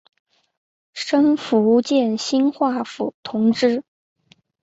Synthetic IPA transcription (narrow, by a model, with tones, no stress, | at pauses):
ʂɤ˥ŋfu˧˥u˧t͡ɕjɛ˥˩nɕi˥nxwa˥˩fu˨˩t̪ʰʊ˧˥ŋʈ͡ʂɻ̩˥